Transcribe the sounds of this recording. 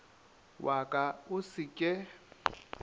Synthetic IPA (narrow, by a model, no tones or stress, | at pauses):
wʔakʼaʊsɪkʼɛ